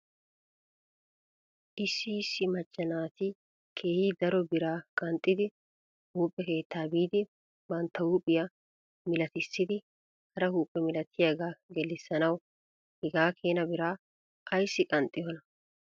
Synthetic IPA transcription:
ʔɪsːɪsːɪmɐt͡ʃʼːɐnaːt̪ɪ | kʰe̞ːhiːd̪ɐɾɔbɪɾaːkʼɐnt̪ʼːɪd̪ɪ | huːpʼːɛke̞ːt̪ʰːaːbiːd̪ɪ | bɐnt̪ːɐhuːpʼːɪjɐ | mɪlɐt̪ɪsːɪd̪ɪ | hɐɾɐhuːpʼːɛmɪlɐt̪ʰːɪjaɡaːɡɛlːɪsːɐnɐw | hɛɡaːkʰe̞ːnɐbɪɾaː | ʔɐjsːɪkʼɐnt̪ʼːɪɔnɐ

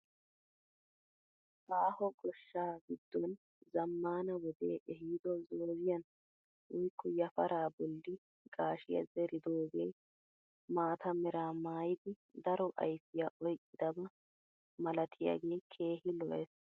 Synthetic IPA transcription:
ʔaːhɔkʼɔʃːaːɡɪd̪ːɔn | zɐmːaːnɐwɔd̪eːʔɛɦiːd̪ɔzoːzɪjɐn | ʔʊjkːɔjɐfɐɾaːbɔlːɪ | ɡaːʃɪjɐ̰zɛɾɪd̪oːɡej | maːt̪ʰɐmɛɾaːmaːjd̪ɪ | d̪ɐɾɔʔɐ̰jfɪjaʔɔjkʼːɪd̪ɐbɐ | mɐlɐt̪ʰɪja̰ɡe̞ːkʰe̞ːɦɪlɔʔɛs

